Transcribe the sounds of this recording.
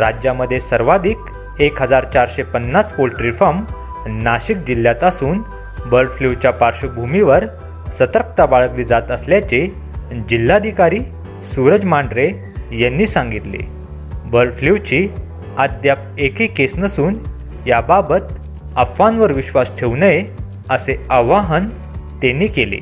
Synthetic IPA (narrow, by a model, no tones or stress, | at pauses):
ɾad͡ʑjaməd̪ʱːjesəɾʋad̪ʱiːk | ekɦəd͡zaɾt͡ɕaɾɕepənːaspolʈɾifəm | naɕik̚d͡ʑilːjat̪asuːn | bəɾfliʋt͡ɕjapaɾɕəbʱumiʋəɾ | sət̪əɾk̚t̪abaɭəkliːd͡zat̪əsljat͡ɕe | d͡ʑilːad̪ʱikaɾiː | suɾəd͡zmaɳɖɾe | jenːiːsãŋɡit̪lḛ | bəɾfliʋt͡ɕi | ad̪jap̚ekikesnəsuːn | jababət̪ | əfanʋəɾʋiɕʋasʈʰeʋnəje | əseəʋaɦən | t̪enːiːkelḛ